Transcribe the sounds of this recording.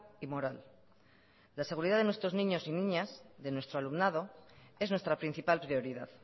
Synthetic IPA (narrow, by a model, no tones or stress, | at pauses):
imo̞ɾal | lase̞ɣ̞uɾiðaðenwest̪ɾo̞znĩɲo̞sinĩɲasðe̞nwest̪ɾoalumnað̞o̞e̞znwe̞st̪ɾapɾin̟θipalpɾio̞ɾiðað